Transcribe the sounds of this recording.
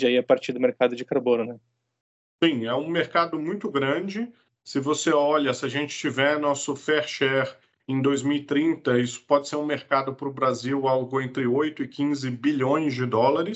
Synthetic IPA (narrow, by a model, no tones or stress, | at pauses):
d͡ʒaiɐpaɾt͡ʃiɾd̪ʊmeɾkad̪ʊd͡ʒɪkaɾbõnʊnɛ | sĩɛũmeɾkad̪ʊmũj̃t̪ʊɡɾɐ̃d͡ʒɪ | sɪvoseɔʎɐsɪaʒẽnt͡ʃɪ̥t͡ʃivɛnɔsʊfɛɾʃɛɾ | ẽj̃d̪ojzmiwit̪ɾĩnt̪ɐisʊ̥pɔd͡ʒɪseɾũmeɾkad̪ʊpɾʊbɾaziwawɡʊẽnt̪ɾɪojt̪ʊɪkĩzɪbiʎõj̃zd͡ʒɪd̪ɔlaɾɪs